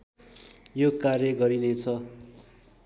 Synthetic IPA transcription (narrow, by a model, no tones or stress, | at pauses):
jokarjʌɡʌɾinet͡sʰʌ